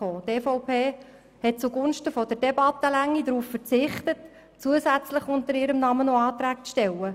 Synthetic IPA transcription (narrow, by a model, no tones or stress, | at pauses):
oːteːfɔʊpʰeː | hɛt̚t͡suɡʊnʃtəfɔd̥əɾd̥ɛbɑt̪ːəlæŋːidɾuːffəɾt͡sɪχtət | t͡suəzæt͡sləχʊnt̪əɾɪɾəmnɑmənoɑːtɾæːk̚t͡sʃtɛlə